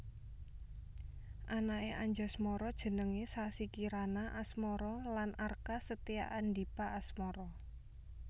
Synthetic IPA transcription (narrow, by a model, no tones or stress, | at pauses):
ʔanaeʔaɲd͡ʒɔsmɔɾɔd̥ʒ̥ə̤nəŋesasikiɾanaʔasmɔɾɔlanʔarkasət̪ija̰ʔand̪ipaʔːsmɔɾɔ